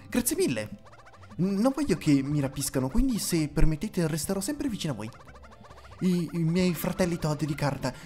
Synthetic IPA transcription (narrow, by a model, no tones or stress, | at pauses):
ɡɾat̪sːjemilːḛ | nːoɱvɔʎːokʰemːiɾapiskanokwind̪isepːermet̪ːeːt̪erest̪eɾɔsɛmpɾevit͡ʃinoavo̰j | imjɛjfɾat̪ɛlːit̪ɔd̪ːed̪ikart̪a